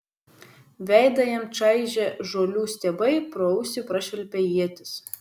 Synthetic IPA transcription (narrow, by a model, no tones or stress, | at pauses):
ʋʲæˑɪd̪ɐjɛmt͡ʃɑɪʒʲɛʒoːlʲuːsʲt̪ʲɛːbɐɪpɾɔʊsʲɪpɾɐʃʲʋʲɛlʲpʲɛjiɛt̪ʲɪs